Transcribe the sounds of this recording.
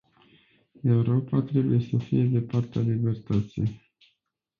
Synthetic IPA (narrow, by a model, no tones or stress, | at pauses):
e̞uɾo̞pat̪ɾe̞buje̞səfije̞d̪e̞part̪ealibe̞rt̪ət̪sḭj